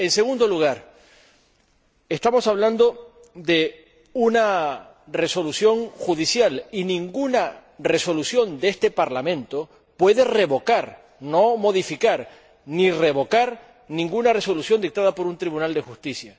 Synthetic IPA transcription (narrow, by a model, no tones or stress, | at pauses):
e̞nse̞ɣund̪o̞luɣ̞aɾ | est̪amo̞saβland̪o̞ | ðe̞ | una | re̞so̞lusjo̞ŋxuðisjalinĩŋɡunare̞so̞lusjo̞nd̪eest̪e̞paɾlamẽnt̪o̞ | pwe̞ðe̞re̞βo̞kaɾ | no̞mo̞ðifikaɾ | nire̞βo̞kaɾ | nĩŋɡunare̞so̞lusjo̞nd̪ik̚t̪aðapo̞ɾunt̪ɾiβunald̪e̞xust̪isja